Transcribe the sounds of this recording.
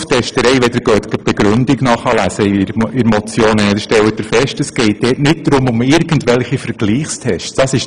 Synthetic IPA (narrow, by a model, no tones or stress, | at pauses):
ftʰɛʃtəɾɛɪʋɛd̥̪əɾɡ̥øːt̪ɡ̥əb̥ɛɡɾʏndiɡnɑχɑlæsəɾɪɾmɔt͡sjoːnənɛd̪əʃtɛlət̪ɪɾfɛʃtəsɡ̥ɛɪt̚d̥ɛːtnɪt̚d̥ɾʊmʊmɪɾɡ̥ən̩tʋɛlχifəɾɡ̥liːχstʰɛʃsd̥ɑsɪʃ